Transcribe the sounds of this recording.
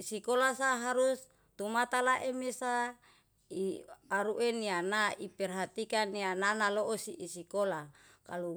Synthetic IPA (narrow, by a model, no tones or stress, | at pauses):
isikolasaːɦaɾus | t̪umat̪alaʔemesa | iaɾuʔenianaipɛrɦat̪ikaniananaloʔosiʔisikola | kalu